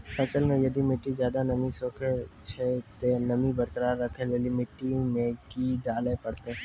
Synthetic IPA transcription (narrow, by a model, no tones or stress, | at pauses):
kɐt͡ʃəlmẽjɐd̪imɪʈːid͡ʒjaːd̪anɐmisoːkʰet͡ʃʰet̪enɐmibɐɾkəɾaːɾːɐkʰelelimɪʈːimẽkiɖaːlepɐɽt̪e